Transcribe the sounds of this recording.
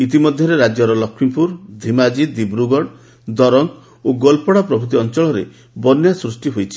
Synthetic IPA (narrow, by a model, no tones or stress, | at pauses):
it̪̬imɔd̪ʱjɔɾeɾad͡ʒjɔɾɔlɔkʰmimpuɾd̪ʱimad͡ʒid̪ibɾuɡɔɽ | d̪ɔɾɔŋ | oɡɔlpɔɽapɾɔbʱut̪iɔnt͡ʃɔɭɔɾḛ | bɔnjasɾusʈiɦojt͡ʃʰi̥